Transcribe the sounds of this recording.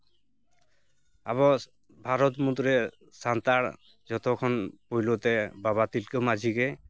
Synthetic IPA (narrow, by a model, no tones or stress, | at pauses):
a̰βɔ | bʱaɾɔt̪mut̪ɾɛ | sant̪aɽ | d͡ʒɔt̪ʰɔkʰɔnpojlot̪ɛbaβat̪ilkemad͡ʒʱikɛ